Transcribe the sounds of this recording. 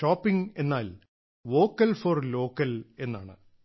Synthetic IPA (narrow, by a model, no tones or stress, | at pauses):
ʂoːpːiŋe̞nːaːl | ʋo̞ːkːɐlforlo̞ːkːɐle̞nːaːɳɨ̰